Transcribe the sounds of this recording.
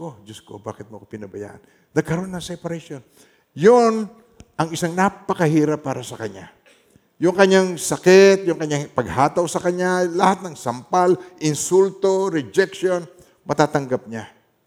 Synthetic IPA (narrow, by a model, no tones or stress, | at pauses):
kod͡ʒosko̰ba̰ːkɪt̪̚mokopɪnɐbɐja̰ʔɐn | d̪ɐɡ̚kɐɾo̞nːɐsɛɛpɐɾɐʃjon | jon | ʔɐŋɪsaŋnapɐkɐhiːɾɐpːaːɾɐsɐkɐɲa̰ | jʊŋkɐɲaŋsɐkɛt̪̚jʊŋkɐɲaŋpɐɡhaːt̪awsɐkɐɲːalɐhat̪̚nɐŋsɐmpalʔɪnsult̪o̞ɾɛd͡ʒɛkʃon | mɐt̪aːt̪ɐŋɡap̚ɲa